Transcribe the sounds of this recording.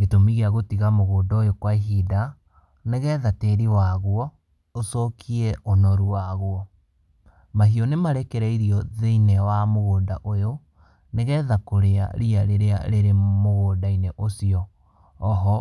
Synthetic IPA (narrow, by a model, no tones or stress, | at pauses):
ɡetomiɣeaɣotiɣamoɣoːndaojokwaiɦida | neɣɛðateɾiwaɣwɔ | osɔkʰiɛʔonɔɾuwaɣwɔ | maɦiɔnemaɾɛkeɾɛiɾiɔðeinɛwamoɣoːnda̰ʔojo | neɣɛðakoɾea̰ɾiaɾeɾea̰ɾeɾemoɣoːdaineʔosiɔː | ɦɔ